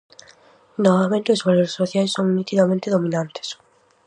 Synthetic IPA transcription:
noβamẽnt̪ʊesβaloɾsːoθjajsːoŋmit̪iɣamẽnt̪eðomĩnãnt̪e̥s

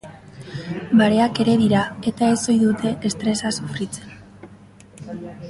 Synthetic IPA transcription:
baɾe̞ake̞ɾe̞ðiɾae̞t̪ae̞so̞jðut̪e̞ʔːst̪ɾe̞sasufɾit͡se̞̥n

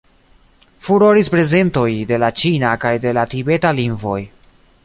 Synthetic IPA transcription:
fuɾo̞ɾispɾe̞ze̞nto̞jde̞lat͡ʃinakajde̞latibe̞talinvo̞̰j

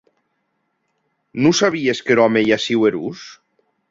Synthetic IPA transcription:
nusaβ̞ieskeɾɔmejasiweɾṵs

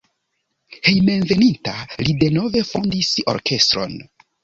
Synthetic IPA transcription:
he̞jme̞nve̞nintalide̞no̞ve̞fondiso̞̰ɾkʰe̞stɾo̞̰n

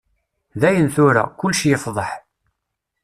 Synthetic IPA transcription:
ðæjənθʊɾa̰kʊlːʃijəfðˤəħ

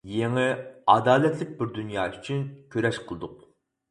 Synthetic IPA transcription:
jeŋɛɑd̪ɑːlɛt̪lɪk̚ʲbɪɾd̪unjɑːyt͡ʃʰynkʲʰøɾɛʃqʰəlˠɨd̪ʊq

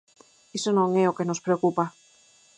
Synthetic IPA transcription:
esonõŋeokenospɾeokupa

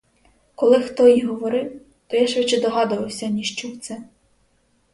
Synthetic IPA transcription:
kɔlˠɪxt̪ɔjiɦɔʋɔɾɪw | t̪ɔjaʃʋɪt͡ʃɛd̪ɔɦɑd̪ʊʋɐwsʲɐnʲiʃt͡ʃɔwt̪sɛ

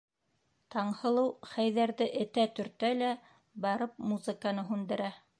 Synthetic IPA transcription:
t̪ɑɴhɤ̆lˠɤwχæjðæɾðɘʔɘ̆t̪æt̪ɵ̆ɾt̪ælæ | bɑɾɤp̚muzɨ̆kanɤɦʉnd̪ɘ̆ɾæ

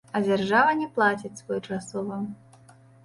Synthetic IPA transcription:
ɐd͡zʲarʐavɐnʲɛplˠat͡sʲit͡sʲsvɔjut͡ʂasɔvɐ

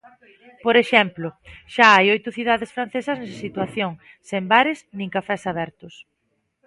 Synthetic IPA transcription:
poɾeʃɛmplʊʃaajojt̪ʊθiðaðesfɾanθesɐznɛsit̪waθjoŋ | sembaɾɪsnĩŋkafɛsaβɛɾt̪ʊs

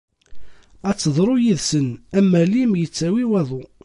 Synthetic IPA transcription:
æt͡sːəðˤɾˤojiðsənæmːælimjət͡sːæwiwæðˤʊ

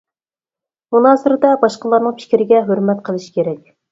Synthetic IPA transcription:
munɑːsɨɾɨd̪ɛbɑʃqəlˠɑɾnɨŋpʰɪ̥kʲɾɪɡʲɛɦøɾmɛt̪qʰəlˠɨʃkʲʰeɾɛkʲ

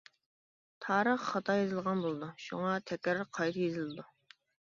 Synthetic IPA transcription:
t̪ʰɑːɾəχːɑt̪ʰɑjezɨlˠʁɑnbolˠɨd̪uʃṵŋɑt̪ʰɛkʲɾqʰɑjt̪ʰjezɪlɨd̪u

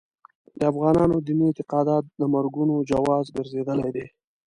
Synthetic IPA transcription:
d̪əafɣɑnɑnod̪imint̪ɪqɑd̪ɑt̪̚d̪əmaɾɡunod͡ʒawɑzbeɾzed̪əlajd̪e

